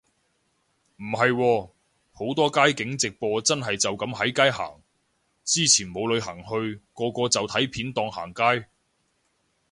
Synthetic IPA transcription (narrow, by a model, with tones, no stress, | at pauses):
m̩˨˩ɦɐ˨jwɔː˧ | ho˨˥wt̪ɔː˥kaː˥jkɪ˨˥ŋt͡sɪ˨k̚pɔː˧t͡sɐ˥nɦɐ˨jt͡sɐ˨wkɐ˨˧˥mɦɐ˨˥jkaː˥jɦa̰ː˨˩ŋ | t͡siː˥t͡sʰiː˨˩nmo˨˧wlɵ˨˧ɥhaː˨˩ŋhɵ˧ɥkɔː˧kʷɔː˧t͡sɐ˨wt̪ʰɐ˨˥jpʰiː˨˥nt̪ɔː˧ŋha̰ː˨˩ŋkaː˥j